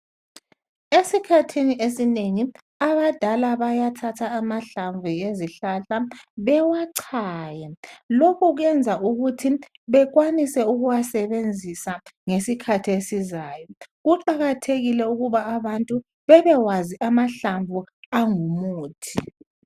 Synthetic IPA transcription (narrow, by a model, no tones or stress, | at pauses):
esikʰatʰiniʔesineŋi | aβad̥ʱalaβajatʰatʰaːmaɬaɱvueziɬaɬaβɛwaǀʰaːjɛlokuɣɛnd͡zʱaʔuɣutʰi | βɛɣwanisɛuɣuwasɛβend͡zʱisaŋesikʰatʰiesizaːjɔɣuǃaɣatʰeɣilɛuɣuβaːβantʼu | βɛβɛwaziʔamaɬaɱvuaŋumuːtʰi